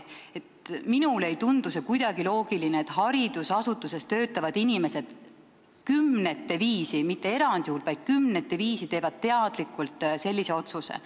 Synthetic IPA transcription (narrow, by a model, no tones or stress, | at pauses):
e̞t̪minule̞jt̪und̪̥use̞kujd̪̥ɑɡilo̞ːɡ̥ilineet̪ːˑhɑɾid̪̥usɑsut̪ːˑuse̞st̪ø̞ːt̪ːˑɑvɑd̪̥inime̞se̞d̪̥ | kymne̞t̪ːe̞viːsimit̪ːe̞e̞ɾɑnd̪ihuːlvɑjd̪̥̚kymne̞t̪ːˑe̞viːsit̪e̞ːvɑd̪̥̚t̪ːe̞ɑd̪̥likːˑult̪ˑse̞lːise̞o̞t̪susḛ